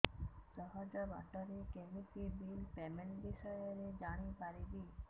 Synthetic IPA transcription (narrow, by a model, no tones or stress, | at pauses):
sɔɦɔd͡ʒɔba̰ʈɔɾekemikibilpɛmeɳbiʃɔjɔɾed͡ʒaɽ̃ipaɾibiː